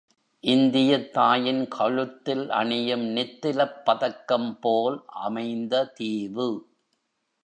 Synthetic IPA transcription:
ʔɪnd̪ɪjɐt̪ːaːjɪnkʰɐɻɯt̪ːɪlʔɐ̰ɳɪjɐmnɪt̪ːɪlɐpːɐðɐkːɐmpoːlʔɐ̰mɐɪnd̪ɐt̪iːʋɯ

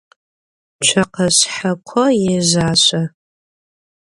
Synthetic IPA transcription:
t͡ʃʷʰaqʰasħakʷʰɔjezaːʃʷa

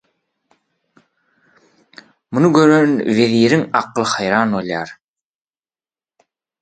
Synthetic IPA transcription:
munuɡø̞ɾønveðiːɾiŋɑqlˠɯhɑjɾɑːnolˠjɑːɾ

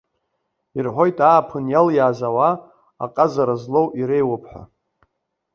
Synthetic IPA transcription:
irħʷo̞jtʼaːpʰɨnjaljaːzawa | a̰qʼazaɾazlo̞wʔiɾejwapʰħʷᶣa̰

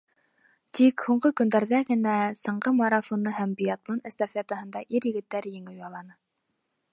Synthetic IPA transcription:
t̪ikhuɴɢɤkɵ̆nd̪æɾðæɡɘ̆næsɤ̆ɴɢɤmɐɾɑfonːɤɦæmbʲiat̪lˠonæst̪afʲeat̪əhɤ̆nd̪ɑʔiɾjɘ̆ɡɘ̆t̪ːæɾjɘ̆ŋɘ̆wɑlˠɑnɤ

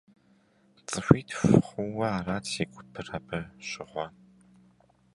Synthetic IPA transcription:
t͡sʼɨɕʷiːtʰfχʷʊwɐaːraːtʰeɡʷʼʊpʰɨrɐbʰɐɕʼɪʁʷɔ

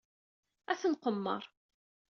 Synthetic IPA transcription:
æθənqəmːə̰ɾˤ

